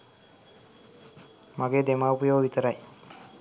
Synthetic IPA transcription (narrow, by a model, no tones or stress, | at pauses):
maɡeːd̪emaːupujoːʋit̪əɾaj